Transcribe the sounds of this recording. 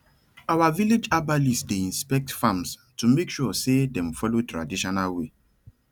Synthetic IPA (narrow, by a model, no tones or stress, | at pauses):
awaviled͡ʒabalisdeĩnspɛk̚tfãmstumekʃusedɛ̃mfɔlotɹadiʃɔnalwe